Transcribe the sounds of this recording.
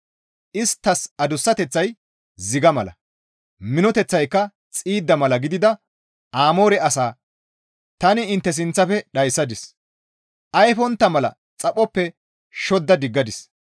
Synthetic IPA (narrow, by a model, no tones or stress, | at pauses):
ʔɪst̪ːɐsɐd̪ʊsːɐt̪ɛt͡sːɐj | zɪɡɐmɐlɐ̰ | mɪnɔt̪ɛt͡sːɐjkːɐ | t͡sʼiːd̪ːɐmɐlɐɡɪd̪ɪd̪ɐ | aːmo̞ːɾɛɐsaː | t̪ɐnɪːnt̪ːɛs̬ɪnt͡sːɐfɛɗɐjsːɐd̪ɪs | ʔɐjfɔnt̪ːɐmɐlɐ̰ | t͡sʼɐpʼɔpːɛ | ʃɔd̪ːɐd̪ɪɡːɐd̪ɪs